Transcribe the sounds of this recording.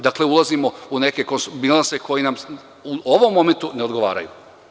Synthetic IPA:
d̪akle̞ulˠazimo̞une̞ke̞konsbilˠanse̞ko̞jinam | uoʋo̞mːo̞me̞nt̪uneo̞d̪ɡo̞ʋa̰ːɾa̰jṵ

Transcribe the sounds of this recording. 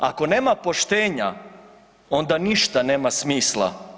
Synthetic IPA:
a̰ko̞ne̞ːmapo̞ʃt̪eːɲa | o̞nd̪aniʃt̪aneːmasmiːslˠa̰

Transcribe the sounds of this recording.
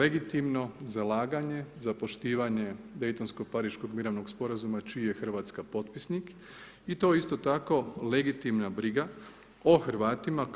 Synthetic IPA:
le̞ɡit̪imno̞zalaːɡaɲe̞zapo̞ʃt̪iːʋaɲe̞d̪e̞jt̪o̞nsko̞paɾiːʃko̞ɡmiɾaʋno̞ɡspo̞ɾazumat͡ʃiːje̞xr̩ʋaːt̪skapo̞t̪pisnik | it̪o̞ist̪ot̪ako̞le̞ɡit̪imnabɾiɡa | oxɾ̩ʋaːt̪ima

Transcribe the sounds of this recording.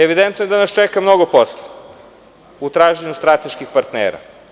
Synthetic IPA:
eʋid̪ent̪nojed̪anast͡ʃɛkamnoɡoposle | ut̪ɾaːʒeɲust̪ɾat̪eʃkixpaɾt̪nḛːɾa̰

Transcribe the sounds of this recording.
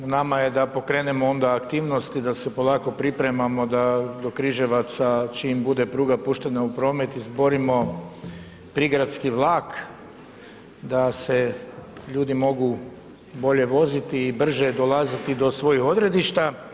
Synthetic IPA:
namaje̞d̪apo̞kɾe̞ːne̞mo̞o̞nd̪aːkt̪iːʋno̞st̪id̪ase̞po̞lˠaːko̞pɾipɾe̞mamo̞d̪ad̪o̞kɾiʒe̞ʋat̪sat͡ʃimbud̪epɾuːɡapuʃt̪e̞naupɾo̞ːme̞t̪izbo̞ɾimo̞ | pɾiɡɾat̪skiʋlˠaːk | d̪ase̞ʎuːd̪imo̞ɡu | bo̞ʎe̞ʋo̞zit̪iːbr̩ʒed̪o̞lˠazit̪id̪o̞sʋo̞jixo̞d̪ɾe̞d̪iʃt̪a

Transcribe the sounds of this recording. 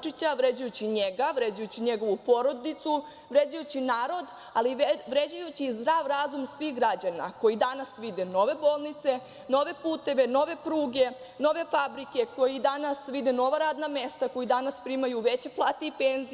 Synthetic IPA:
t͡ʃit͡ɕaʋɾe̞d͡ʑujut͡ɕiɲeɡaʋɾe̞d͡ʑujut͡ɕiɲe̞ɡo̞ʋupo̞ɾo̞d̪it̪su | ʋɾe̞d͡ʑajut͡ɕinaːɾo̞d̪ | aliʋɾe̞d͡ʑajut͡ɕizd̪ɾaːʋɾazumsʋixɡɾad͡ʑana̰ko̞jid̪anasʋid̪eno̞ʋe̞bolˠnit̪se̞ | no̞ʋe̞puːt̪e̞ʋe̞no̞ʋe̞pɾuːɡe̞ | no̞ʋe̞fabɾike̞ko̞jid̪anasʋid̪eno̞ʋaɾaːd̪name̞st̪ako̞jid̪anaspɾiːmajuʋe̞t͡ɕeplˠaːt̪eipenzi

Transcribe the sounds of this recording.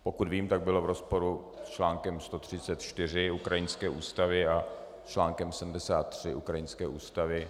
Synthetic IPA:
po̞kut̪viːmt̪aɡ̚bɪlovɾo̞spo̞ɾu | st͡ʃlaːŋkɛmst̪o̞t̪r̝̥ɪt͡sɛt̪t͡ʃt̪ɪr̝ɪukɾajɪnskɛːʔuːst̪avɪa | st͡ʃlaːŋkɛmsɛdm̩dɛsaːt̪ːr̝̥ɪʔukɾajɪnskɛːʔuːst̪avɪ

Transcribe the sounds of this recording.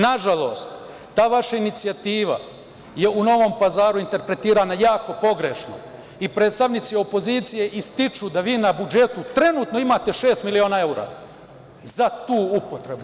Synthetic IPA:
naʒalo̞ːst̪ː | aːʋaʃainit̪sijat̪iːʋa̰ | je̞uno̞ʋo̞mpazaːɾuint̪e̞ɾpɾe̞t̪iːɾaːnajaːko̞po̞ɡɾeʃno̞̰ | ipɾe̞ːt̪st̪aʋnit̪sio̞po̞ziːt̪sije̞ʔist̪it͡ʃud̪aʋiːnabud͡ʒe̞t̪ut̪ɾe̞nuːt̪no̞imat̪e̞ʃe̞ːst̪milio̞ːnaeuɾa̰ | zat̪uːupo̞t̪ɾe̞bu

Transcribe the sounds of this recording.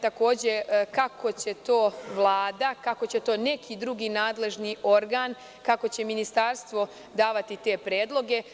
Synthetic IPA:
t̪ako̞ːd͡ʑe̞kakʰo̞t͡ɕe̞t̪o̞ːʋlˠaːd̪akako̞t͡ɕe̞t̪o̞ːne̞kʰid̪ɾuɡiːnaːd̪le̞ʒniːo̞ɾɡaːn | kako̞t͡ɕe̞minist̪aɾst̪ʋo̞ | d̪aːʋat̪it̪e̞pɾeːd̪lˠo̞ɡe̞

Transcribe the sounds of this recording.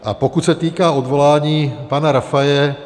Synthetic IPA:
a̰pɔkucsat̪iːkaɔd̪ʋɔlaːɲiːpaːnaɾafajɛ

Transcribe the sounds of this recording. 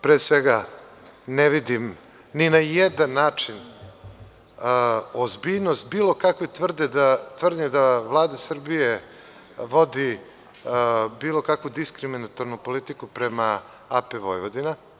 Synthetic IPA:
pɾeːsʋeɡa | neʋid̪im | ninajed̪anːaːt͡ʂin | ozbiʎnost̪̚biːlˠo̞kakʋot̪vr̩d̪ed̪at̪ʋr̩d̪ɲed̪avlˠaːd̪asr̩bije | ʋo̞d̪i | biːlˠo̞kakʋud̪iskɾiminat̪oɾnupo̞lit̪ikupɾema | apɛʋo̞̰jʋod̪ina

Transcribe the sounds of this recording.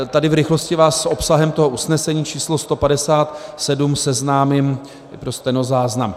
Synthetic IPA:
t̪adɪvɾɪxlo̞scɪvaːsːʔo̞psaɦɛmt̪o̞ɦo̞ʔusnɛsɛɲiːt͡ʃiːslo̞st̪o̞padɛsaːt̪sɛdumsɛznaːmɪm | pɾost̪ɛnozaːznam

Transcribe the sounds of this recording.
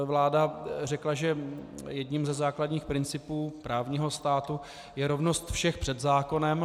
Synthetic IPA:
vlaːdarɛklaʒɛjɛdɲiːmzɛzaːkladɲiːxpɾɪnt͡sɪpuːpɾaːvɲiɦo̞st̪aːt̪u | jɛɾo̞vnost̪fʃɛxpr̝̥ɛd̪zaːko̞nɛm

